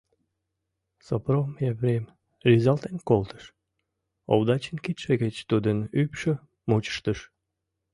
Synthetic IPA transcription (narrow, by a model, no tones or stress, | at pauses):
sopromjævɾem | rizɑlt̪enkolt̪ə̥ʃ | o̰βd̪ɑt͡ɕənkit̪ʃeɣət͡ɕt̪ud̪ənypʃə | mot͡ɕə̥ʃt̪əʃ